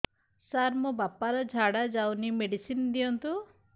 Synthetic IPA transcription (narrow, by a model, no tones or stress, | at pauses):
saɾmɔbapaɾɔd͡ʒʱaɽad͡ʒawnimeɽisind̪ijɔnt̪u